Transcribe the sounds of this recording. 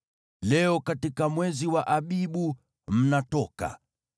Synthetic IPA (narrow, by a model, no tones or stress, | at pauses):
lɛɔkatikamwɛziwaʔaɓiɓu | m̩natɔka̰